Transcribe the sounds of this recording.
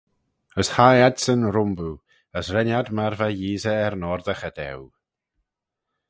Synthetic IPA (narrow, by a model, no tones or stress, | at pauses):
əshajadsənɾʊmbu | əsrɛnjadmaɾvaiːzɛɛɾnɔɾðaxədɛ̰w